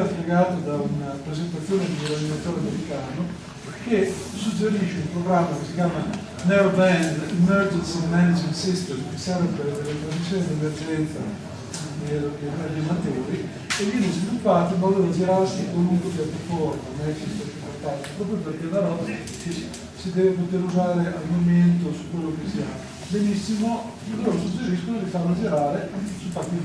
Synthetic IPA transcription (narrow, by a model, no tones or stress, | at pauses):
afleɡaːt̪od̪aunapɾezent̪at̪sːjoːned̪iɡoverd̪inat̪t̪ːoɾeameɾikaːno | ke | sud͡ʒːeɾiʃeumpɾoɡɾamːakesikjaːma | nɛɾobɛnd̪imɛrd͡ʒensimɛnad͡ʒinsist̪emkesɛɾveved̪elːet̪ɾazmisːjoːnid̪iemerd͡ʒɛnt̪sa̰ | elopet̪ad̪amat̪oːɾi | evjɛːnezvilupːaːt̪omalːoːɾad͡ʒiɾaɾsikwaluŋkwepjɛt̪ːɾofɔrt̪omɛsist̪emimport̪ant̪i̥pɾɔːpɾjoperked̪aɾɔ | ke | sid̪ɛːvepot̪eɾuzaːɾeʔalmoment̪osu̥kːwelːok̟esia | benisːimo | loːɾosud͡ʒeɾiskonolifanːad͡ʒiɾaːɾesup̪at̪ːi